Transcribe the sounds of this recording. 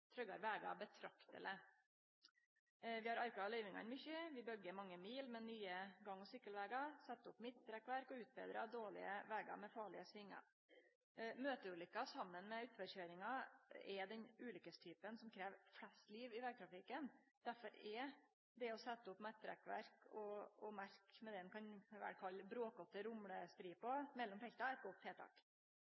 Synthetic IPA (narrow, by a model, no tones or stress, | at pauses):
t̪ʰɾœɡɑ̰ɾʋæːɡɑ̰bət̪ʰɾɑkt̪ə̰lə | ʋɪhɑɾɑɾkɑlœʏʋɪŋɑ̰nmʏçəʋɪbœɡəɾmɑŋːəmiːlmɛnyːəɡɑŋːɔsʏkːəlʋæːɡɑsɛt̪ːəʊpmɪt̪ːɾɛkːʋæɾkɔʉːt̪̚bɛ̰ːd̪ɾɑd̪oːɭɪ̰əʋæːɡɑ̰mɛfɑːɭɪəsʋɪŋːɑ̰ | møːt̪əʉːlʏkːɑsɑmːənmɛʉːt̪ʋəçøːɾɪŋɑɛd̪ɛnʉːlʏkəst̪ʰyːpənsɔmkʰɾeːʋflɛst̪liːʋɪʋæɾɡ̚t̪ɾɑfɪkːənd̪̥æɾfɔɾɛ | d̪ɛɔsɛt̪ːəʊpmɛt̪ːɾɛ̰kʋæ̰ɾkɔɔmæɾkmɛd̪ɛɛnkʰɑnʋæ̰ʈkʰɑlːbɾoːkɔt̪ːəɾʊmɽəst̪ɾiːpɔmɛlːɔmfɛlt̪ɑɛɾt̪ɡɔt̪ʰheːt̪ʰɑ̰ːk